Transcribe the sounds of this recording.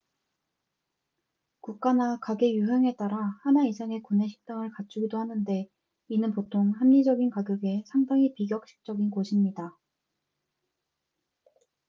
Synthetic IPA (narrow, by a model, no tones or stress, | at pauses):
kuk̚k͈anakaɡe̞juɦeŋe̞t͈aɾahanaisʰaŋe̞kune̞ɕʰi̥k̚t͈aŋɯɭkat͡ɕ͈ʰuɡidohanɯnde̞ | inɯnpotʰoŋɦamɲid͡ʑʌɡinkaɡjʌɡe̞sʰaŋdaŋipiɡjʌk̚ɕ͈i̥k̚t͡ɕ͈ʌɡinkoɕʰimɲida